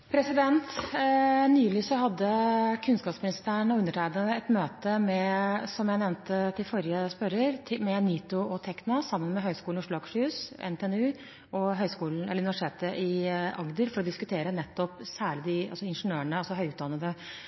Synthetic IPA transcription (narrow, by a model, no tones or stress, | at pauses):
pʰɾɛsɪd̪ɛnt̪ | nyːlɪsɔhɑd̪ːəkʰʉnskɑːpsmɪnɪst̪æːɳɔʉnːəʈʰæɪd̪ənəɛt̪møːt̪əmɛsɔmjæɪnɛʋnt̪ət̪ʰɪlfɔɾɪəspœɾəɾʰmɛniːt̪ʊɔt̪ʰɛknɑsɑmːənmɛɦœʏskuːlʊʂlɑːɡʂʉːsɛ̰nt̪ʰɛɛnʉː | ɔɦœʏskuːln̩ɛ̰lːɾʉnɪʋæʂʈtʰeːt̪əʔɪʔɑɡd̪əɾfɔɾɔd̪ɪskʉt̪ʰeːɾənɛt̪ːɔpsæːɭɪd̪ɪɑ̰sɔɪnʂnøːəɳəɑsɔɦœʏʉːd̪ɑnːəd̪ə